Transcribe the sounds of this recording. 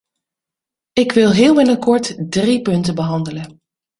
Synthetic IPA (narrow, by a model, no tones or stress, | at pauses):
ɪkʋɪlˠɦɪːlˠʋɪnəkɔɹtdripɵntəbəɦɑndələn